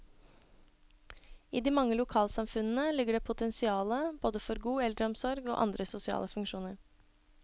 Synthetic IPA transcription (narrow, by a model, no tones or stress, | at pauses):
iːd̪iːmɑŋːəlʊkʰɑːlsɑmfʉnn̩əlɪɡəɖeːpʰʊt̪ʰɛnsɪɑːləboːd̪əfɔɾɡuːɛld̪ɾəɔmsɔɾɡo̰ːʔɑ̰nd̪ɾəsʊsɪɑ̰ːləfʉŋkʃuːnəɾ